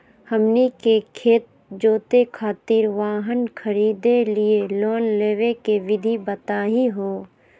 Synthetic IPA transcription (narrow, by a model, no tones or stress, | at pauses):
həmnikekʰeːt̪̚ | d͡ʒoːt̪ekʰaːt̪ɪɾʋaːɦənkʰəɾiːd̪elieloːnleːʋekeʋɪd̪ʱibət̪aːɦiɦoː